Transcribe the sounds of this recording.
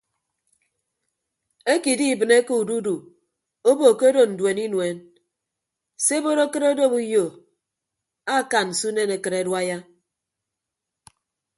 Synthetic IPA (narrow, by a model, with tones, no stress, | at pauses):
e˦ki˨di˦i˨bɨ˨ne˦ke˦u˨du˦du˨ | o˦bo˨ke˦o˦do˦n̩˨dwe˨ni˦nwe˨˦n | se˦bo˦ɾo˦kɨ˦ɾo˦do˦˨bu˦jo˨ | a˦˨ka˨n˨n̩˨su˦ne˦ne˨kɨ˨ɾe˨dwa˦ja˦